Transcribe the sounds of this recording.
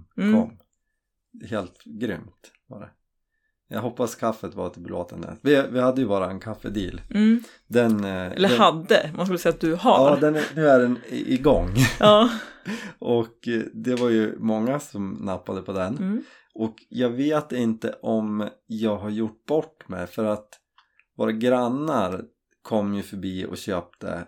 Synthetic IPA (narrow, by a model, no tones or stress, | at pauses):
kʰɔmː | heːlt̪ɡɾʏmt̪ | va̰ɖɛ̰ | jɑ̰ːɡɦɔpːaskʰafːət̪va̰ɾt̪ʰɪbɾo̰ːt̪ʰənd̪ə̰t̪vɪvɪhad̪ːəjɵbɑːɾaɛnkʰafːəd̪ḭːl | d̪ɛnɛlːhad̪ːə̰manskɵləsɛjat̪̚d̪ɵɦa̰ɑːd̪ɛnd̪ɵæɾɛnɪɡɔŋː | ʔɔkd̪ɛvaɾjɵmɔŋːasɔmnapːad̪əpʰɔd̪ɛn | ʔɔkjɑːɡveːt̪ɪnt̪ə̰ʔɔmjɑːɡɦaɾjʊʈ̚ːb̥ɔʈːmɛ̰jfœɾat̪ | voːɾaɡɾanːaɾ | kʰɔmːjɵfœɾbiːɔ̰ɕøːp̚t̪ə̰